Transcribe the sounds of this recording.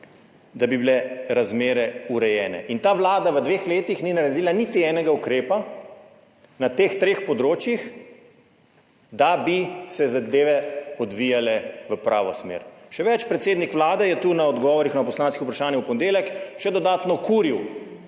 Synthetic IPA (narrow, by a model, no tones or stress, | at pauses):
d̪abibilɛɾazmeːɾɛuɾɛjɛːnɛ̰ʔint̪aːʋlaːd̪aʋəd̪ʋeːxleːt̪ixninaɾɛd̪iːlanit̪iɛːnɛɡaukɾeːpa | nat̪eːxt̪ɾeːxpɔd̪ɾoːt͡ʃjix | d̪abisɛzad̪eːʋɛɔd̪ʋijalɛʋəpɾa̰ːʋɔsmḛːɾʃɛʋɛt͡ʃpɾɛt̪seːd̪nikʋlaːd̪ɛjɛt̪unaɔd̪ɡɔːʋɔɾixnapɔslaːnskiupɾaʃaːnjɛwpɔnd̪eːlɛkʃɛd̪ɔd̪aːt̪nɔkuɾiw